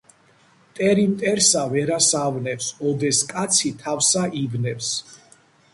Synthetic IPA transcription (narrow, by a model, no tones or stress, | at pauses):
t̪ʼɛɾimt̪ʼɛɾsavɛɾasavnɛpsɔd̪ɛskʼat̪sʰit̪ʰafsaʔivnɛps